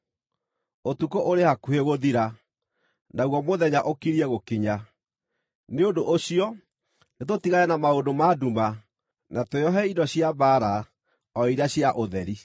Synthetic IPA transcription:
otukoʔoɾehakueɣoðiɾa | naɣwɔmoðɛɲaʔokiɾiɛɣokiɲa | neondoʔoɕiɔ | net̬otiɣaɛnamaondomaduma | natoeɔɦɛidɔɕjabaɾa | ɔiɾaɕjaʔoðɛɾi

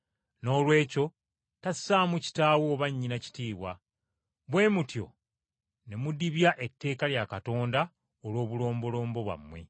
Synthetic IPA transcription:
no̞ːlwe̞ːco̞ | tasːaːmuci̥taːwoːβaɲːinaci̥tiːβwa | βwe̞ːmutjo̞̰ | ne̞mudiβjaʔe̞tːe̞ːkaljakato̞ːnda | olwo̞ːβulo̞ːmbo̞lo̞ːmbo̞βwa̰mːwe̞̰

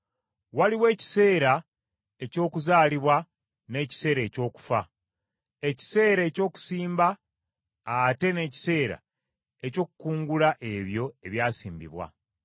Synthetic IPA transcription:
waliwe̞ːci̥se̞ːɾa | e̞co̞ːkuzaːliβwa | ne̞ːci̥se̞ːɾe̞ːco̞ːku̥fa | e̞ci̥se̞ːɾe̞ːco̞ːku̥siːmbaː | te̞ne̞ːci̥se̞ːɾa̰ | eco̞ːkukuːŋɡulaʔe̞βjo̞e̞βjaːsiːmbḭβwa̰

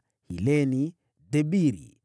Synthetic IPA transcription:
hḭleni | debiɾḭ

